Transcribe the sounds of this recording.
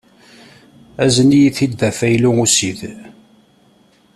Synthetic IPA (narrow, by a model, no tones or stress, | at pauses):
æzənijiθid̪ːæfæjluusið